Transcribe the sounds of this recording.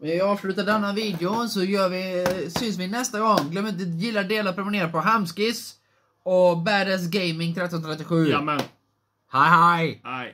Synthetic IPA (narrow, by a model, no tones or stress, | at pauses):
mɛnvɪɑːvslʉ̟ːt̪aɖɛnːaviːd̪ɛʊnsɔjœːɾvɪsʏnsvɪnɛst̪aɡɔŋɡlœmːɪnt̪̬əjɪlːaɖeːlapʰɾʊmɪneːɾapɔɦamskɪs | ɔbæːɖɛs̬ɡɛjmɪŋt̪ʰɾɛt̪ːɔnt̪ʰɾɛt̪ːɪɧʉ̟ː | haɦaj